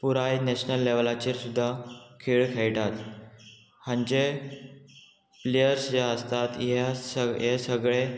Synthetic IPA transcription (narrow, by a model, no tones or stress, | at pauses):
puɾajneɕnəlːeʋlat͡ɕiɾsud̪ʱːakʰiɭkʰajʈat̪ | hãɲt͡ɕe | plejəɾsjaəst̪at̪jesəjesəɡɭe